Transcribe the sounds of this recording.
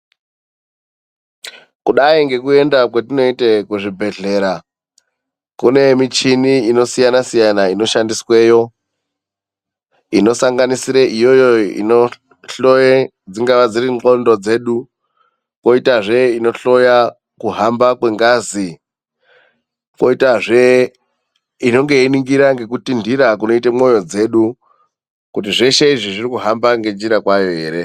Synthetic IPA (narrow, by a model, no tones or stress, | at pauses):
kuɗaiŋɡe̞kue̞ndakwet̬ino̞itekuʐibʱe̞ɮe̞ːɾa | kune̞mit͡ʃiniino̞sijanasijanaino̞ʃandiswe̞jo̞ | ino̞saŋɡanisiɾeʔijo̞joḭno | ɬoje | d͡ziŋɡaʋad͡zirio̞ndo̞d͡ze̞ːɗu | ko̞itaʐe̞ino̞ɬo̞ja | kuɦambakwe̞ŋɡazi | ko̞itaʐe | ino̞ŋɡe̞iniŋɡiɾaŋɡe̞kutindiɾak̬uno̞itemo̞jo̞d͡ze̞ːɗu | kutiʐe̞ʃe̞iʐiʐirikuɦambaŋɡe̞d͡ʒiɾakwajo̞ɦe̞ːɾe̞